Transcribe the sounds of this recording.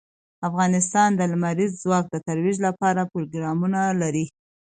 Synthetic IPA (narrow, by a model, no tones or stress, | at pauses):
afɣɑnɪst̪ɑnd̪əlmaɾizːwɑk̚d̪ət̪aɾwiʒlapɑɾapɾoɡɾɑmunalaɾi